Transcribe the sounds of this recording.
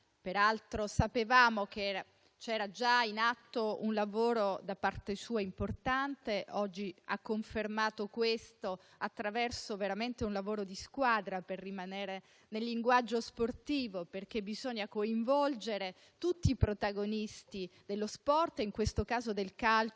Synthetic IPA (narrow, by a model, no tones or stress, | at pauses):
peɾalt̪ɾosapevaːmok̟eɛɾa | t͡ʃɛːɾad͡ʒainat̪ːounlavoːɾod̪apːart̪esuːaimport̪ant̪eɔd͡ʒːia̰kːoɱfermaːt̪okwest̪o | at̪ːɾavɛrsoveɾament̪eunlavoːɾod̪iskwaːd̪ɾaperːimaneːɾe | nelːiŋɡwad͡ʒːosport̪iːvoperk̟ebizoɲːakoiɱvɔld͡ʒeɾe | t̪ut̪ːiːpɾot̪aɡonist̪id̪̥elːospɔrt̪iŋkwest̪okaːzod̪elkal